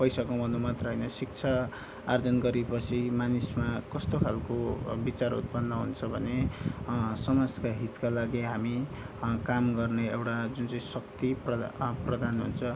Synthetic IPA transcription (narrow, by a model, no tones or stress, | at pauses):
pʌjsakomʌnomʌt̪rʌjnʌsik̚t͡sʰʌː | rd͡zʌnɡʌɾepʌt͡sʰimanismakʌst̪okʰalkobit͡sarṵt̪̚pʌnːʌɦunt͡sʰʌbʱʌne | sʌmad͡zkaɦit̪kalaɡiɦamikamɡʌrneewʈad͡zunt͡sʌĩsʌkt̪iprʌprʌd̪anɦṵnt͡sʰʌ